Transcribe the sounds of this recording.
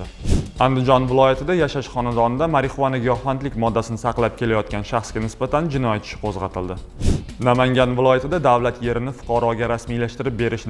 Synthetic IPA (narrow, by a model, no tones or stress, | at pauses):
and̪ɪd͡ʒɒnvɪlˠɒjat̪ʰɪd̪ajaʃaʃχɒnad̪ɒnɪd̪amaɾɪχovanaɡʲɒhvant̪lɪkʲmɒd̪ːasɪnɪsɑqlˠap̚kʲʰe̞lajɒt̪̚kʲanʃɑχsɡʲanɪsbat̪ʰand͡ʒɪnɒjat̪ʰɪ̥ʃɪ̥qʰozʁɑt̪ʰɪld̪ɪ | namaŋɡʲanvɪlˠɒjat̪ʰɪd̪ad̪avlat̪je̞ɾɪnɪfʊ̥qʰɑɾɒɡʲaɾasmijlaʃt̪ɪɾɪp̚be̞ɾɪʃn